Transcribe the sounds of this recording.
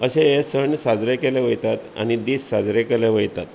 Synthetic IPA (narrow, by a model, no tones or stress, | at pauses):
əɕeesəɳsad͡zɾekeleʋəjt̪at̪a̰nid̪iːsːad͡zɾekeleʋəjt̪at̪